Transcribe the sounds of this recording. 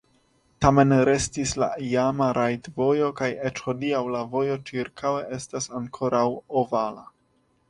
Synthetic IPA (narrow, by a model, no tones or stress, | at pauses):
tame̞nɾe̞stisla̰iamaɾʔajtvo̞jo̞kajet͡ʃxo̞diawlavo̞jo̞t͡ʃiɾkʰawe̞ʔe̞stasaŋkʰo̞ɾawovala